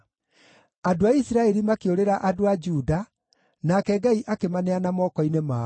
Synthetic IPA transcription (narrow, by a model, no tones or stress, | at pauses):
adoaisiɾaɛɾimakeoɾeɾaʔadoad͡ʒuda | nakɛɡaiʔakemanɛanamɔkɔinema